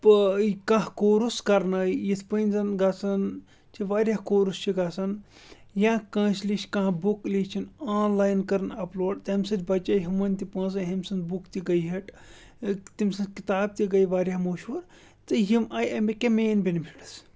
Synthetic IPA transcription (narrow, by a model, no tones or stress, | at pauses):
pɨkãɦkoːɾuskɐɾnɐjit̪ʰpənʲzɐnɡɐsɐn | t͡ʃʰiʋaːɾʲjakoːɾust͡ʃʰiɡaːsɐn | jãːkɐ̃ːt͡ʃliʃʲkãɦbuklit͡ʃʰinaːnlaːjnkɐɾnɐploːɖt̪ɐmʲsɐt̪ʲbɐt͡ʃaːjɦimɐnʲt̪ipãːs̬ɐɦɐmʲsɐnd̪bukt̪iɡɐjɦɐʈ | t̪imsɐt̪ʲkit̪aːb̚t̪iɡɐjʋaːɾʲjamoːʃuɾ | t̪ɨɦimajɐmikemeːnbʲinpʰiɽɨs